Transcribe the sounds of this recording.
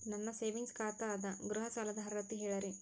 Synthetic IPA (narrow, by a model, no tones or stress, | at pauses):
nɐnːɐseːʋiŋɡskaːt̪ɐaːd̪ɐɡɾuɦɐsaːlɐd̪ɐɦɐɾɐɾɐt̪ːiɦɛːɭɐɾi